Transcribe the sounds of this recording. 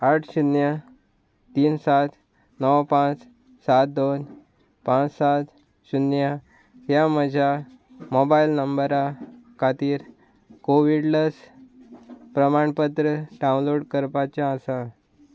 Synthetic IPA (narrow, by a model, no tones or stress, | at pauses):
aʈʰɕunjə | t̪iːnsat̪ | nəwpãt͡s | sat̪̚d̪on | pãt͡ssat̪ | ɕunjə | ɦjaməd͡ʑʱja | mobailnəmbəɾakʰat̪iːɾ | koʋiɽləs | pɾəmaɳpət̪ɾəɖaũnloɽkəɾpat͡ɕjaːsa